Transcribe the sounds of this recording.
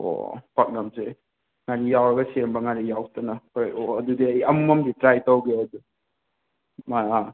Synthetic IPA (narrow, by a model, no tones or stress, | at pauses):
o̰pɐk̚nɐmse | ŋaɾijawɾɐɡɐseɾmbɐŋaɾijawtɐnɐojoɐdudiɐjɐmumɐmditɾajtowɡeɐdu | maa